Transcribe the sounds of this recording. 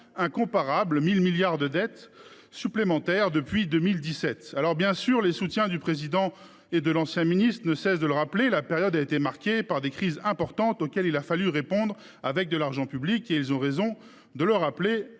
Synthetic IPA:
ɛ̃kɔ̃paʁablmilmiljaʁd̪əd̪ɛt̪ | syplemɑ̃t̪ɛʁd̪əpɥid̪ømild̪isɛt̪alɔʁbjɛ̃syʁlesut̪jɛ̃d̪ypχezid̪ɑ̃ | ed̪əlɑ̃sjɛ̃minist̪χənəsɛsd̪ələʁaplelapeʁjɔd̪aet̪emaʁkʲepaʁd̪ekχizɛ̃pɔʁt̪ɑ̃t̪okʲɛlilafalyʁepɔ̃d̪ʁ | avɛk̚d̪əlaʁʒɑ̃pyblikeilzɔ̃ʁezɔ̃ | d̪ələʁaple

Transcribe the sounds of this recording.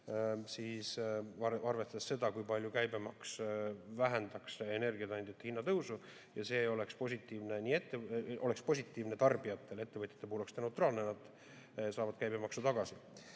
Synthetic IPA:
siːsɑɑrvest̪ɑd̪esse̞d̪ɑkujpɑlʲjukæjbemɑksvæɦænd̪̥ɑksene̞rɡiɑt̪ɑnd̪̥ʲjɑt̪ːehinːɑt̪ɤwsu | jɑse̞ːo̞le̞kspo̞sʲit̪ːˑiːvne̞niːet̪ːˑeʔo̞le̞kspo̞s̬ʲit̪ːˑiːvnet̪ɑrbijɑt̪ːˑe̞le̞t̪ːe̞vɤt̪ʲjɑ̥t̪ːepuhulokst̪enet̪rɑːlnenɑd̪̥ | sɑːvɑd̪̥̚kæjb̥e̞mɑksut̪ɑɡ̥ɑsi

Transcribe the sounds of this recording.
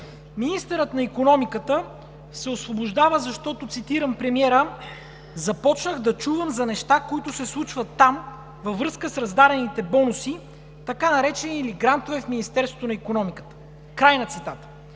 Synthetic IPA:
minist̪ɛɾət̪nɐikonɔmikət̪ə | sɛosvobʊʒd̪avəzɐʃt̪ɔt̪ot̪sit̪iɾəmpɾɛmiɛɾə | zɐpɔt͡ʃnəɣd̪ɐt͡ʃuvəmzɐnɛʃt̪akoit̪ʊsɛslˠut͡ʃvət̪ːam | vɐvɾɤskəsɾɐzd̪aɾɛnit̪ɛbɔnusi | t̪ɐkanɐɾɛt͡ʃɛniːliɡɾant̪ovɛfminist̪ɛɾst̪vot̪onɐikonɔmikə̥t̪ə̥ | kɾajnɐt̪sit̪at̪ə̥

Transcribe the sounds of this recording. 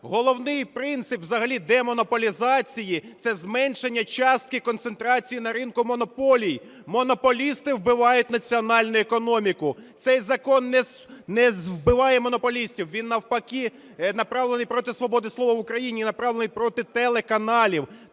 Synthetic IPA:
ɦɔlˠɔwnɪjpɾɪnt̪sɪpwzɐɦɐlʲid̪ɛmɔnɔpɔlʲizɑt͡sʲijit̪sɛzmɛnʃenʲːɐt͡ʃɑst̪̚kɪkɔnt̪sent̪ɾɑt͡sʲijinɐɾɪnkʊmɔnɔpɔlʲij | mɔnɔpɔlʲist̪ɪwbɪʋɑjʊtʲnɐt͡sʲiɔnɑlʲnʊɛkɔnɔmʲikʊt̪sɛjzɐkɔnːɛ | nɛwbɪʋɑjɛmɔnɔpɔlʲisʲtʲiwʋʲinːɐwpɐkʲi | nɐpɾɑʋlˠenɪjpɾɔt̪ɪsʋɔbɔd̪ɪslˠɔʋɐʋʊkɾɐjinʲinɐpɾɑʋlˠenɪjpɾɔt̪ɪt̪elˠekɐnɑlʲiw

